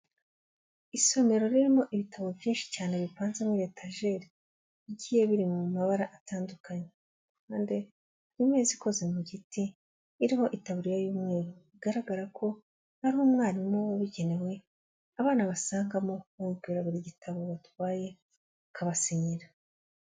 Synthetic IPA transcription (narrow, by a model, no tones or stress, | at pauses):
iso̞me̞ɾo̞ɾiɾimo̞ʔiβitʰaβo̞vjiːnʃi̥caːne̞βiβaːnzemwiɾe̞ːtʰaʒe̞ːɾi | iɟiːje̞βiɾimuumaβaɾaʔataːndukaɲe | kaːnde | nimweziko̞ze̞muɟitiː | ɾiho̞ʔitaβuɾijajuːmŋe̞ːɾuiɡaɾaɡaɾakʰo̞ | haɾihomŋaːɾimoβoβiɟe̞ne̞we̞ | aβaːnaβasaːŋɡamo̞uuvɡiɾaβuɾiɟitʰaβo̞βatwaːje̞ | kʰaβasiɲiɾa